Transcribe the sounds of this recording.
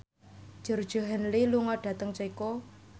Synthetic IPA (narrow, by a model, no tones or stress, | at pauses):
ʒ̥ərd̥ʒ̥ə̤ɦənliluŋɔɖ̥ä̤t̪əŋt͡ʃaiko